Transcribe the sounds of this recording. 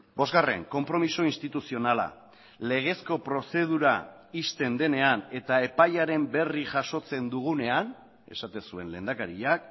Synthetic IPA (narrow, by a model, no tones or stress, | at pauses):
bo̞zɣare̞̰ŋko̞mpɾo̞misoinst̪it̪usio̞nala̰ | le̞ɣ̞e̞sko̞pɾo̞se̞ð̞uɾa | ist̪e̞nd̪e̞ne̞ane̞t̪ae̞pajaɾe̞mbe̞riʝaʃo̞t͡se̞nd̪uɣ̞une̞an | e̞̰sat̪e̞nsue̞nle̞̰ːnd̪akaɾiʎak